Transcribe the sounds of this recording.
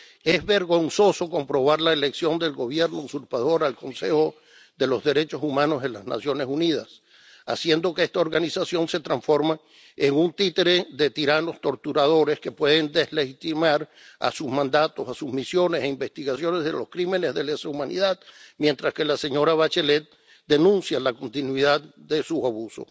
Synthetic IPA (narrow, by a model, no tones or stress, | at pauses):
ezβe̞ɾɣo̞nso̞so̞ko̞mpɾo̞β̞aɾlaele̞ksjo̞nd̪e̞lɡo̞βje̞ɾnousuɾpaðo̞ɾalko̞nse̞xo̞ | ðe̞lo̞zðe̞ɾe̞t͡ʃo̞sumãno̞zðe̞lazna̰sjo̞nesuniðas | a̰sje̞nd̪o̞keest̪ao̞ɾɣanisasjonse̞t̪ɾaɱsfo̞ɾma | eŋunt̪it̪eɾeðe̞t̪iɾano̞st̪o̞ɾt̪uɾaðo̞ɾe̞ske̞pwe̞ðe̞nd̪e̞zle̞xit̪imaɾ | a̰suzmãnd̪at̪o̞sasuzmisjo̞ne̞seimbe̞st̪iɣasjo̞ne̞zðḛlo̞skɾime̞ne̞zðe̞lesaumãnḭðaðmje̞nt̪ɾaske̞lase̞ɲo̞ɾaβat͡ʃele̞t̪̚ | d̪e̞nũnsjalako̞nt̪inwiðaðd̪e̞suaβuso̞̰